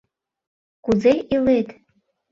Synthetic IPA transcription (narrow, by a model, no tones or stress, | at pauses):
kuzeiletʰʼ